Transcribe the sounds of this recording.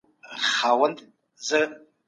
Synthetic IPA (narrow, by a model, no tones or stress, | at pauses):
χawəntʼ | zɨ